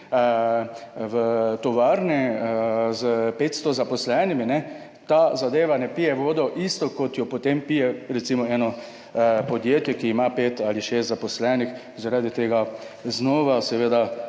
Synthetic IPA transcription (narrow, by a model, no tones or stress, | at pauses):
ʋət̪ɔʋaːɾnɛ | zəpeːt̪st̪ɔzapɔslɛniminɛ | t̪azad̪eːʋanɛpijɛʋoːd̪ɔʔist̪ɔkɔt̪jɔpot̪empijɛɾɛt̪simɔɛːnɔ | pɔd̪jeːt̪jɛkiːmapeːt̪aːliʃeːst̪zapɔslɛnix | zaɾaːd̪it̪eːɡa | znɔːʋasɛʋeːd̪a